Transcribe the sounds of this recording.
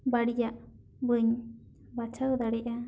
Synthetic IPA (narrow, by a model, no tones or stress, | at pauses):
baɽijaʔ | bɯɲ | bat͡ʃʰawd̪aɽiʔa